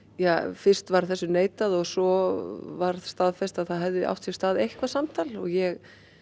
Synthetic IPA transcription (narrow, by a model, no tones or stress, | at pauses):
jafɪr̥st̪vaɾ̥θɛsːʏneːjt̪aðɔɣsɔvaɾðst̪aðfɛst̪aðθaðɦɛvðɪʔa̰wht̪sɪ̥st̪aːðejhkvasamt̪ʰalɔ̰ɣjɛɣ